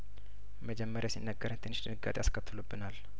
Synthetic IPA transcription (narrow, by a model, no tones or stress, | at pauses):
məd͡ʒɛmːəɾjasinːəɡːəɾnt̪ʰɨnːɨʃd̪ɨnɨɡa̰t̪ʼejaskʰət̪ʰːɨlubːɨnal